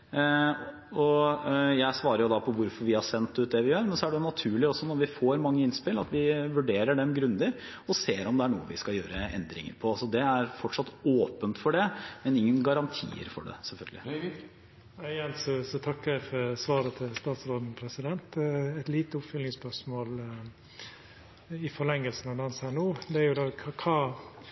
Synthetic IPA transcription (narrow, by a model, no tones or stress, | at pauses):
ɔjæɪsʋɑːɾəɾjʊd̪ɑpʰɔʋʊɾfɔɾʋɪhɑsɛnt̪ːʉːt̪̚d̪ɛʋɪjøːɾmɛnsɔæɖɛjʊnɑt̪ʰʉːɭɪɔsːɔnɔɾʋɪfoːɾmɑŋːəɪnspɪlɑ̰t̪ʋɪʋʉɖeːɾəɖɛmɡɾʉnd̪əɾ | ɔseːɾɔmd̪ɛæɳṵːəʋɪskɑljøːɾəɛ̰nd̪ɾɪ̰ŋə̰ɾpʰɔɑlsɔd̪ɛæɾfɔʈʂɑt̪ːoːpənt̪fɔɖɛmɛnɪŋːənɡɑɾɑnt̪ʰḭːə̰ɾfɔ̰ɖɛ̰sɛlfœ̰lɡəlɪ̰ | æɪjɛnsɔsɔt̪ʰɑkːəɾæɪfɔɾsʋɑːɾət̪ʰɪlst̪ɑːt̪sɾoːd̪n̩pʰɾɛsɪd̪ɛnt̪ɛt̪liːt̪əʊpfʏlnɪŋspœʂmoːl | ɪfɔlɛŋːəlsn̩ɑʋd̪ɑɑnsænuːd̪ɛæɾjʊd̪ɑːɑkʰɑː